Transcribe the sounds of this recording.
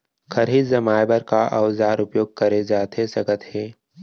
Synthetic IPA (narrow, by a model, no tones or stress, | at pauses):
kʰɐɾɦizɐmaːjbəɾkaʔɐwzaːɾʊpjoːɡ̚kɐɾed͡ʒaːt̪esɐɡət̪heː